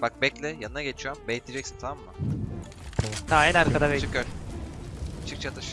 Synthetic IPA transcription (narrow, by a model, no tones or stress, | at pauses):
bak̚bɛclʲɛjanɯnaɟet͡ʃʰijombejt̪ʰʲid͡ʒɛcsi̥nt̪ʰaamːa | t̪ʰaɛnaɾkad̪abɛt͡ʃʰɯkjoɾ | t͡ʃʰɯk̚t͡ʃʰat̪ʰɯʃ